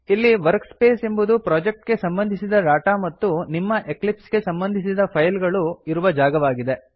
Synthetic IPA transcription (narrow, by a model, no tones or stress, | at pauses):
ilːiʋɐɾkspeːse̞mbud̪upɾaːd͡ʒek̚ʈɡe̞sɐmbɐnd̪ʱisid̪ɐɾaːʈamɐt̪ːunimːɐʔe̞klipsɡe̞sɐmbɐnd̪ʱisid̪ɐpʰɐjlɡɐɭuiɾuʋɐd͡ʒaːɡɐʋaːɡid̪e̞